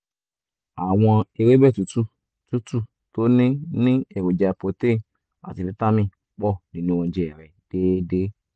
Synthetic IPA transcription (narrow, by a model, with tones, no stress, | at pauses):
a˨w̃ɔ̃˧e˧ɾe˦bɛ˦˨tu˨˦tu˦ | tu˨˦tu˦˨ | to˦nĩ˦nĩ˦e˦˨wo˨d͡ʒa˧˨po˨te˦˨ | a̰˨ti˨˧ɾi˦ta˦mĩ˦˨ | k͡pɔ˦˨nĩ˨nũ˨˧wɔ̃˧˦d͡ʒe˨ɛ˨ɾɛ˨d̥e˦de˦